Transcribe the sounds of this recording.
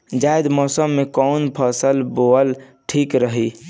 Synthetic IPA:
d͡ʒajd̪mɔːsəmːekɔnpʰəsəlboəlʈʰikɾəɦi

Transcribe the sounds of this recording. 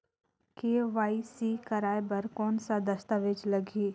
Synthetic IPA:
keːʋaːisikɐɾaːebɐɾkɔːnsad̪ɐst̪aʋed͡ʒlɐɡiː

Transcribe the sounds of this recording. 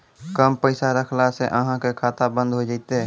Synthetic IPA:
kəmpəɪsaɾəkʰlaseʔəɦãkekʰaːt̪abə̃nd̪ʱɦod͡ʒaːɪt̪eɦɛ

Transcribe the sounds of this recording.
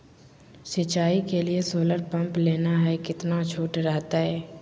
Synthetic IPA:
sɪt͡ʃaːikeliesoːləɾpɐ̃mpleːnaɦɛkɪt̪nat͡ʃʰoːʈɾɛɦt̪aɦɛː

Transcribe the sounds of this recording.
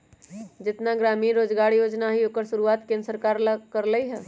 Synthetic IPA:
d͡ʒɪt̪naɡɾaːmiːɾːoːd͡ʒɡaɾijoːd͡ʒnaɦioːkəɾsuɾuaːt̪kẽnɾsəɾkaɾlkəɾləiɦɛ̃ː

